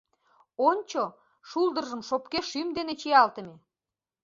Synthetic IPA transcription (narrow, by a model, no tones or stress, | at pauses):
onʲt͡ɕo | ʃuld̪ərʒəmʃopkeʃymd̪enet͡ɕijɑlt̪əme